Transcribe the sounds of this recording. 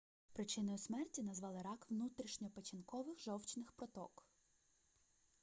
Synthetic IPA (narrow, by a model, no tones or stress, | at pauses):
pɾɪt͡ʃɪnɪjʊsmɛrtʲinɐzʋɑlˠɪɾɑkʋnut̪ɾʲiʃɲʲɔpɐt͡ʃʲinkɔʋɪxʒɔwt͡ʃnɪxpɾɔt̪ɔ̰k